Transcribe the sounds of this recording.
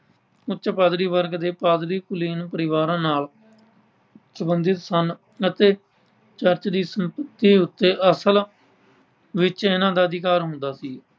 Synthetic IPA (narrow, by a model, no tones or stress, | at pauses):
ʊt͡ʃpaːd̪ɾiːʋəɾɡd̪eːpaːd̪ɾiːkʊliːnũːpəɾɪʋaːɾãːnaːl | səbənd̪ɪt̪sən | ət̪eː | t͡ʃəɾt͡ʃd̪iːsəmpət̪ːiːʊt̪ːeːʔəsəl | ʋɪt͡ʃɪnãːd̪aːəd̪ɪkaːɾɦʊ̃nd̪aːsiː